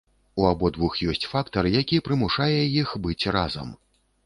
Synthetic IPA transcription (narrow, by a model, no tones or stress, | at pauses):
uabɔd̪vuxjɔsʲt͡sʲfakt̪ɐɾɨjakʲipɾɨmuʂajɛjixbɨt͡sʲrazɐ̰m